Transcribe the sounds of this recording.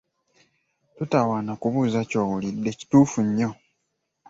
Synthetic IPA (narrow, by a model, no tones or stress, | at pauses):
tutawanakuβuːzacoːwulidːe̞ci̥tuːfuɲːo